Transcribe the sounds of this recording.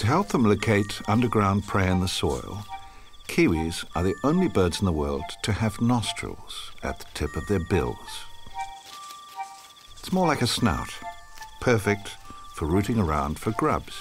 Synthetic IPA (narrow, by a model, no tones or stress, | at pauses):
tʰɨɦɛlˠp̚ðə̃mloʊkʰeɪɾʌ̃ndə˞ɡɹãʊ̃npʰɹ̥eɪɨ̃nðəsɔ̰ɪlˠ | kʰiwiz̥ə˞ðiʔõʊ̃nlibɜ˞dz̥n̩ðəwɜ̰˞lˠdtʰɨːvnɑstɹ̥ə̰l̩ˠz̥ʔɨ̰t̪̚ðə̥tʰɪpʌvðə˞bɪ̰lˠz̥ | ɪtsmɔɹlaɪkɨsna̰ʊt | pʰɜ˞fɪk̚tfə˞ɹʉɾɪ̃ŋə˞ãʊ̃nd̥fə˞ɡɹʌ̰bz̥